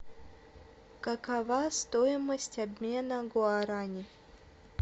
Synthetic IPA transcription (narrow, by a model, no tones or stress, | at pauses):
kəkɐvast̪ojɪməsʲtʲabʲmʲe̞nəɡʊaɾanʲɪ